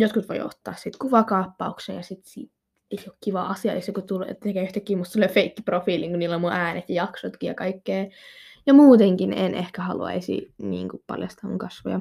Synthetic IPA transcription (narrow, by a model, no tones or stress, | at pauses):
jot̪kut̪ʋo̰io̰t̪ːɑ̰ːssit̪kuʋɑkɑːpːɑuksḛːjɑsit̪sḭː | eiokkiʋɑʔɑsiɑesokut̪ulḛt̪ekæyht̪ækːiːmut̪selefeikːiprofiːliŋkuniːlːommuʔæːnet̪jɑjɑksot̪kiːjɑkɑikːeːjɑmuːt̪eŋkinḛnʔehkæhɑlṵɑ̰isḭnḭːŋkuppɑ̰ljɑ̰st̪ɑːmṵŋkɑsʋo̰jɑ̰